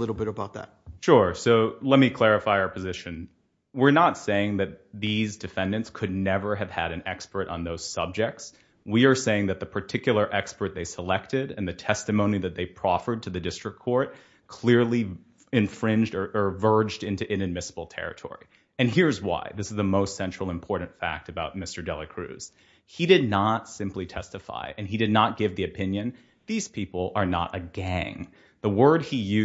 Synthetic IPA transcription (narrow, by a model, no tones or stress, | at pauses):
lɪɾl̩ˠbɪɾəbaʊt̪̚ðæ̰t̚ʃʊɹsoʊlɛt̚mikʰl̥ɛɹɨfaɪə˞pʰɨzɪʃɨ̃n | wɪɹnətseɪɪ̃ŋðɨt̪̚ðizdɨfɛ̃ndɨ̃ntskʰɨdⁿnɛvə˞ɨv̥ɨ̰ɾɨ̃nɛkspə˞ɾn̩ðoʊz̥sʌb̚d͡ʒɨk̚ts | wiə˞seɪɪ̃ŋðɨt̪̚ðɨpʰə˞tʰɪkjl̩ˠə˞ʔɛkspə˞t̪̚ðeɪsəlɛk̚tɪɾɨ̰̃nðɨtʰɛstɨmõʊ̃niðɨt̪̚ðeɪpʰɹ̥ɑfə˞d̚tʰɨðɨdɪstɹ̥ɨk̚kʰɔɹt̚ | kʰl̥ɪɹlˠi | ɨ̃ɱfɹɪ̃nd͡ʒdə˞ʔə˞vɜ˞d͡ʒdɪ̃ntʉʔɪ̃nɨd̚mɪsəbl̩ˠtʰɛ̰ɹɨ̰tʰɔ̰ɹḭ | ɨ̃nɦiɹzwa̰ɪðɪsɨzðəmoʊstsɛ̃nt͡ʃɹ̥l̩ˠə̃mpʰɔɹʔn̩tfæ̰k̚tɨbaʊt̚mɪstə˞dɛlˠɨkʰɹ̥ʉ̰z̥ | idɨdⁿnətsɪ̃mplitʰɛstɨfa̰ɪʔɨ̃nidɨdⁿnət̚ɡ̥ɪvðiɨpʰɪ̃njɨ̃n | ðiz̥pʰipl̩ˠə˞nə̰ɾʔɨɡæ̃ŋ | ðəwɜ˞d̚ijʉ